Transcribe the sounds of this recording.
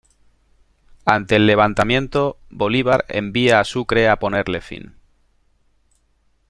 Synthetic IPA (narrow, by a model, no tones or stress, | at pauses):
ant̪e̞ːlːe̞β̞ant̪amjẽ̞nt̪o̞ | bo̞liβ̞aɾḛmbiaːsukɾe̞apo̞ne̞ɾle̞fḭn